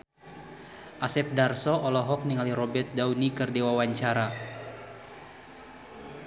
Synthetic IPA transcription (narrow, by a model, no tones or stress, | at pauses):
ʔasɛp̚darsɔʔɔlɔɦɔk̚niŋaliɾɔbɛrt̪̚daunikɨrdewawaɲt͡ʃaɾa